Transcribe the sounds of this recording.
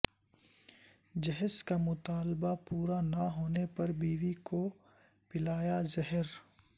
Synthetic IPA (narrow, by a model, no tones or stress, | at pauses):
d͡ʒɐɦəskamʊt̪aːlbapuːɾanɐɦoːnepɐɾbiːwiko | pɪlaːjazɐɦəɾ